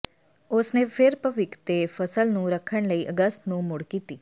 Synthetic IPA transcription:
ʊsneːpʰɪɾpəʋɪkt̪eːpʰəsəlnũːɾəkʰəɳləiːʔəɡəst̪nũːmʊɽkiːt̪iː

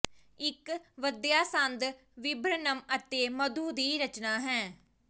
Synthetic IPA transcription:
ɪkʋəd̪jaːsənd̪ | ʋɪbɾənəmət̪eːməd̪uːd̪iːɾət͡ʃnaːɦɛ̃ː

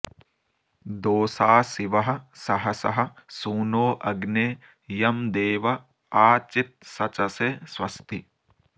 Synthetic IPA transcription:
d̪oːsaːsiʋɐɦɐ̆sɐɦɐsɐ̰ɦɐ̆suːnoːʔɐɡneː | jɐmd̪eːʋɐ | aːt͡ʃit̪̚sɐt͡ʃɐseːsʋɐst̪i

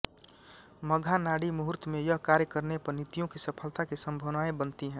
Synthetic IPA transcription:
məɡʱanaːɽimʊɦʊɾt̪mẽjəɦkaːɾjəkəɾnepəɾnit̪ijõkisəpʰəlt̪akisə̃mbʱəʋnaːẽbənt̪iɦɛ̃ː

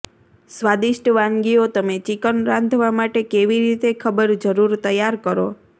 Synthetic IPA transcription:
sʋad̪iʃʈəʋãŋɡiot̪əmet͡ʃikənɾãnd̪ʱʋamaʈekeʋiɾit̪ekʰəbəɾd͡ʒəɾuɾt̪əjaɾkəɾo̰

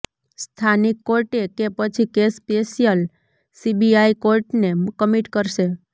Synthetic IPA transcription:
st̪ʰanikːoɾʈekepət͡ʃʰikespeʃijəl | sibiaikoɾʈnekəmiʈkəɾʃe

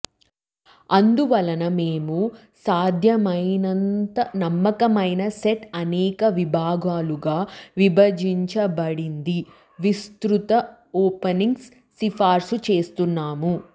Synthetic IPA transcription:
ɐnd̪uʋɐlɐnɐme̞ːmu | saːd̪ʱjɐmɐjnɐnt̪ɐnɐmːɐkɐmɐjnɐseʈɐnɛːkɐʋibʱaːɡaːluɡaːʋibɐd͡ʒiɲt͡ʃɐbɐɽind̪i | ʋist̪ɾut̪ɐ | oːpɐniŋɡsː | ipʰaːɾsut͡ʃe̞ːst̪unːaːmu

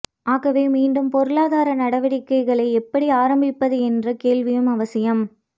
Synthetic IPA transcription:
ʔaːɣɐʋeːmiːɳɖɯmpɔɾɯɭaːðaːɾɐnɐɽɐʋɐɽɪkːɐɪɣɐɭɐɪɛpːɐɽiaːɾɐmbɪpːɐðɯɛndrɐkeːlʋɪjɯmɐʋɐsɪjɐm

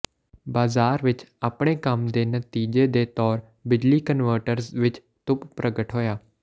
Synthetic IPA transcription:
baːzaːɾʋɪt͡ʃaːpɳ̃ekamd̪eːnət̪iːd͡ʒed̪et̪ɔːɾ | bɪd͡ʒlikənʋəɾʈəɾsʋɪt͡ʃ | t̪ʊppɾəɡəʈɦoːjaː

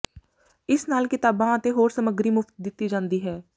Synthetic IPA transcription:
ɪsnaːlkit̪aːbãːt̪eɦoːɾsəməɡɾimʊft̪̚d̪ɪt̪ːid͡ʒãːnd̪iɦɛː

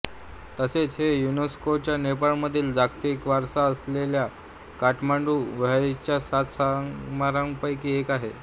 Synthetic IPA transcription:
t̪əset͡sɦejuneskot͡ɕjanepaɭməd̪ʱiːld͡zakt̪ikʋaɾsaəslelja | kaʈʰmaɳɖuːʋat͡ɕjasat̪samaɾəŋɡpajkiːekaɦe

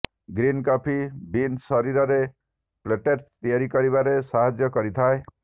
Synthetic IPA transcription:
ɡɾinkɔpʰibinsɔɾiɾɔɾe | pleʈeɾst̪iaɾikɔɾiβaɾesaɦad͡ʒjɔkɔɾit̪ʰae

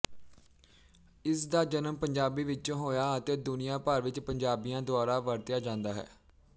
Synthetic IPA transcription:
ɪsd̪aːd͡ʒənəmpəɲd͡ʒaːbiːʋɪt͡ʃɦoːjaːət̪eːd̪ʊnɪjãːpaːɾʋɪt͡ʃpəɲd͡ʒaːbijãːd̪ʊaːɾaːʋəɾt̪jaːd͡ʒãːnd̪aːɦɛ̰ː

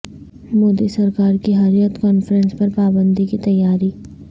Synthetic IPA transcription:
moːd̪isɐɾkaːɾkiɦɐɾjət̪kɔːnfəɾə̃nspɐɾpaːbə̃nd̪ikit̪ɐjːaːɾiː

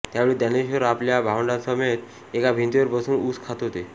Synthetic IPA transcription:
t̪jaʋeɭiːd̪aneɕiʋəɾapljabʱaʋəɳɖasəmet̪ | ekabʱint̪iʋəɾbəsuːnuskʰat̪ɦot̪e

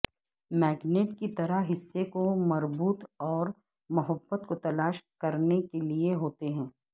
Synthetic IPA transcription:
mɛːɡneːʈkit̪ɐɾaɦɦɪsːekomɐɾbuːt̪ɔːɾ | mɐɦəbːət̪kot̪ɐlaːʃkɐɾnekelieɦoːt̪eɦɛ̃ː

